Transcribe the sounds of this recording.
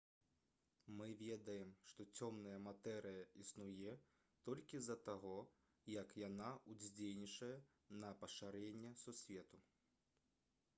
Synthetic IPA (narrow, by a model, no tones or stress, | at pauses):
mɨvʲɛd̪ɐjɛmʂt̪ɔt͡sʲɔmnɐjɐmat̪ɛɾɨjɐisnujɛ | t̪ɔlʲkʲizɐt̪aɣɔ | jɐkjanaud͡zʲd͡zʲelʲnʲit͡ʂɐjɛ | nɐpɐʂaɾɛnʲːɛsusʲvʲɛt̪u